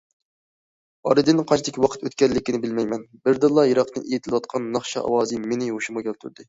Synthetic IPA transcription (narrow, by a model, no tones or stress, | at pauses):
ɑɾɨd̪ɨnqʰɑt͡ʃʰt̪ʰɪkʲwɑqʰə̥t̪ø̰t̪kʲɛlːɪkʲinɪbɪlmɛjmɛnbɪɾd̪ɨlˠːɑjeɾɑq̚t̪ɨnʔḛjit̪ʰɪlɨwɑt̪qʰɑnːɑχʃɑ̰ʔɑ̰wɑːzɨmenɪoʃumʊɡʲɛlt̪ʰy̰ɾd̪ɪ